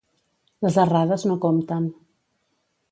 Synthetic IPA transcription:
ləzəraðəznokomt̪ən

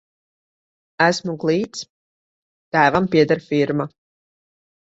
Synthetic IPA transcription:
æsmuɡlˠiːt̪s | t̪æːvampiɛd̪aɾfiɾma

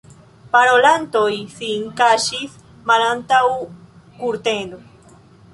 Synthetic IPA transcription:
paɾolant̪ojsiŋkaʃis | malant̪aw | kuɾt̪end̪o

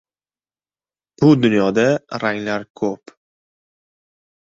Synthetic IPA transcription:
b̥ʊd̪ʊnjɒd̪aɾaŋlaɾkʰɵp

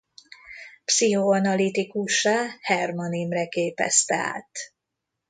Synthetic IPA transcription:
psihoɒnɒlit̪ikuʃaːhɛrmonimrɛkeːpɛ̰st̪ɛ̰a̰ːt̪

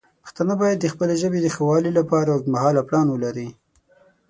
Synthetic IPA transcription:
pə̥xt̪ɑnabɑjad̪ːəxpəleʒəbed̪əxawɑlilapɑɾawmahɑlaplɑnwəlaɾi

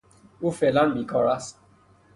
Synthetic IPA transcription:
ufelan̩mikʰɔɾas

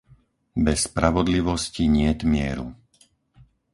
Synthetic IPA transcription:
bɛsːpɾaʋɔd̪liʋɔsciɲɪɛt̪mɪɛ̰ɾṵ

